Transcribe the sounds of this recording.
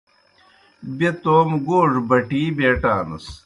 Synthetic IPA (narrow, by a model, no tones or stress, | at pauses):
bet̪oːmɡoːʐbɐʈiːbeːʈaːnɐ̰s